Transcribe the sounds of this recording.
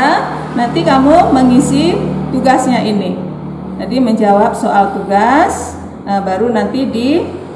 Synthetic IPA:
a | nant̪ikamuməŋisit̪uɡasɲaʔini | d͡ʒadiməɲd͡ʒawap̚soʔalt̪uɡas | əbaɾunant̪idi

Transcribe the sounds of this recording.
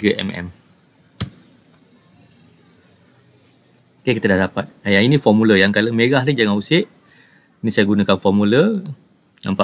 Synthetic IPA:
ɡəʔɛ̰mɛ̰m | kakit̪ədahdapat̪̚ajainĩfɔmuləjaŋkaləmeɣahlid͡ʒaŋãusɪʔ | inĩsajaɡunakanfɔmulə | na̰mpa

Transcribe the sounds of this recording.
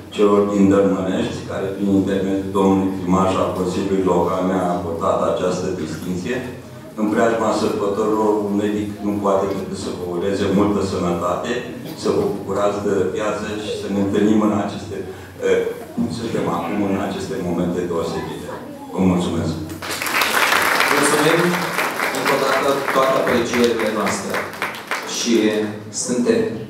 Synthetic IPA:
t͡ʃe̞lo̞rd̪ind̪ərməneʃt̪sʲkaɾe̞pɾinint̪e̞rme̞d̪jud̪o̞mnuluijkɾimaʒalko̞nsilʲjuluilo̞kalneakort̪at̪at͡ʃast̪əd̪ist̪int̪sije̞ | ɨmpɾeaʒmasərbət̪o̞ɾilo̞runme̞d̪iknupoat̪e̞kek̪ɨsəvəuɾe̞zemult̪əsənət̪at̪e̞səvəbukuɾat̪sd̪əpjat̪səʃi̥səne̞ɨnt̪ɨlnimɨnat͡ʃest̪e | səfema̰kumɨna̰t͡ʃe̞st̪e̞mo̞me̞nt̪e̞d̪eoseɡit̪e | vəmult̪sume̞sk | mult̪sumem | ɨŋko̞d̪at̪ət̪oat̪eapɾet͡ʃieɾile̞noast̪ɾḛ | ʃi | sɨnt̪e̞m

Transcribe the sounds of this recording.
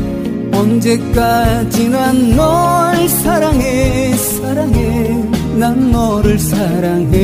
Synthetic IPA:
ɔnd͡ʑekːat͡ɕinanːɔsaɾaŋesaɾaŋe | nanːɔɾɯɭsaɾaŋɦe

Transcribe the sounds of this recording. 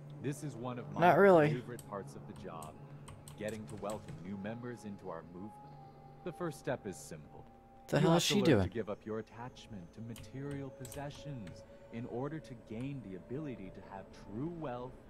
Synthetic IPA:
ðɪsɨzwʌ̃nʌvmmanəʔ̚ɹɪlˠieɪvə˞ɨt̚pʰɑɹtsʌvðɨd͡ʒɑ̰b̥̚ɡ̥ɛɾɪ̃ŋtʰəwɛlˠkɨ̃mnʉmɛ̃mbə˞zɪ̃ntʰuaʊə˞muvmə̃n | ðɨfɜ˞ststɛpɨz̥sɪ̃mpl̩ˠ | tɨɦɛlˠʃidʉɨɡɪvʌpʰjə˞ɨtʰæt͡ʃmɨ̃ntʰɨmɨtʰɪɹil̩ˠpʰɨzɛʃɨ̃nz | ɨ̃nɔɹɾə˞ɾɨɡẽɪ̃nðiɨbɪlˠɨɾiɾɨːv̥tʰɹ̥uwɛlˠθ

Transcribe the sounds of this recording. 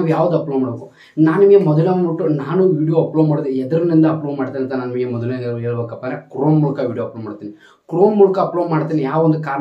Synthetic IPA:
iʋujaːʋud̪uɐplomaːɽbeːku | naːnimɡemɔd̪ɐleuʈːunaːnuʋiːɖijoɐploːmaːɽd̪eɛd̪ɐɾɐnind̪ɐɐploːʋmaːɽt̪iːniɐnt̪ːɐnaːnimɡemɔd̪ɐleɦeːɭubeːkːɐpːanekɾoːnmuːɭukɐʋiːɽijoːɐploːmaːɽt̪iːni | kɾoːnmuːlukaɐploːʋmaːɽt̪iːnijaːʋɐond̪ukaːɾ

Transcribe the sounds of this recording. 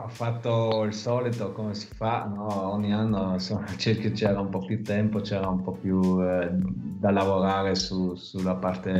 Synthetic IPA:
afat̪ːoilsɔːlit̪okomesi̥fanɔɔɲːianːonsomat͡ʃiket͡ʃɛːɾaumpɔpjut̪ːɛmpot͡ʃɛːɾaumpɔpju | d̪alavoɾaːɾesusulːapart̪e

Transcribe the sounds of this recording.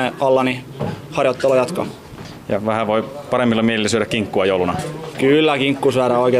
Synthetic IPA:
eɑlːɑni | hɑrjot̪ːelojɑt̪kɑ̰ | jɑʋæhæʋoipɑɾemːilːɑmielilːæsyøɾækkiŋkːuɑjoulunɑkylːækiŋkːusyæɾæoikeː

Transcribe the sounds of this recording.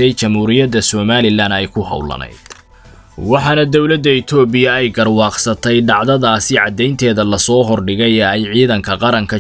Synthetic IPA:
ɛjt͡ʃɐmhuːɾɪjɐd̪ɐsɔːmaːlɪlanɛjkʰʊɦɐ̰wlɐ̰nɛ̰jd̪̥ | wɑħɑːnɐd̪ɔwlɐd̪ːɐɪt̪ʰɔːbɪjɐɛjɡɐrwɑːqsɐt̪ʰɛjɖɑʕðɐðaːsɪʕɑd̪ɛjnt̪ʰɛːðɐlɐsɔːɦɔrɖɪɣɛjɛɛjʕiːðɐŋkʰɐqɑɾɐŋkʰɐ

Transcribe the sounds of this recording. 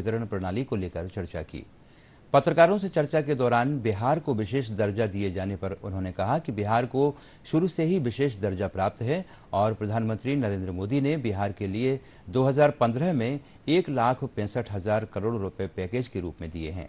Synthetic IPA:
ɪt̪əɾəɽ̃pɾɐɽ̃aːlikoleːkəɾt͡ʃɐɾt͡ʃakḭː | pɐt̪ɾəkaːɾõset͡ʃɐɾt͡ʃaked̪ɔːɾaːnbɪɦaːɾkoʋɪʃeːʃd̪ɐɾd͡ʒad̪ied͡ʒaːnepɐɾʊnɦõnekɐɦakibɪɦaːɾko | ʃʊɾuseɦiʋɪʃeːʃ̬d̪ɐɾd͡ʒapɾaːp̚t̪ɦɛ | ɔːɾpɾɐd̪ʱaːnmə̃nt̪ɾinɐɾẽːnd̪ɾəmoːd̪inebɪɦaːɾkelie | d̪oːɦɐzaːɾpɐ̃nd̪ɾəɦmẽ | eːklaːkʰpɛ̃ːsəʈʰɦɐzaːɾkɐɾoːɽɾʊpjepɛːkeːd͡ʒkeɾṵːpmẽd̪ḭḛɦɛ̰̃ː

